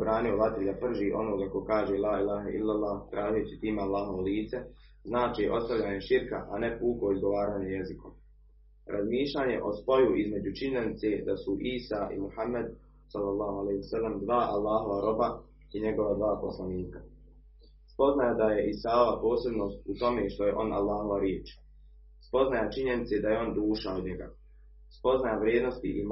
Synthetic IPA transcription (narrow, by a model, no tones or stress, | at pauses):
bɾaːnioʋat̪ɾid̪apr̩ʒiːʔo̞noːkako̞kaːʒelaːilaːɦaʔḭlːalˠːaːht̪ɾaːʒijut͡ɕit̪iːmealːaːɦo̞ʋoliːt̪se | znaːt͡ʃiːʔo̞̰st̪aʋʎaːɲeʃiɾka̰ʔane̞puːko̞izɡo̞ʋaːɾaːɲejezikom | ɾʔazmiːʃʎaːɲe̞̰ʔo̞spo̞juʔizme̞d͡ʑut͡ʃiɲenit̪se̞ːd̪asuʔiːsaːʔḭmuhamːad̪ | sɑlːalˠːɑːhalehsalːamd̪ʋaːʔa̰lˠːaːɦo̞ʋaɾo̞ba | iɲe̞ɡo̞ʋad̪ʋaːpo̞slaniːkḁ | spo̞znajad̪aje̞ʔisaːoʋapo̞ːse̞bno̞ːst̪ut̪o̞meʃt̪o̞je̞ʔo̞nʔa̰lːaːɦo̞ʋaɾjeːt͡ʃ | spo̞znajat͡ʃiɲe̞nit̪se̞d̪ajeo̞nd̪uːʃaod̪ɲeɡa̰ | spo̞znajaʋɾjeːd̪no̞st̪ḭʔim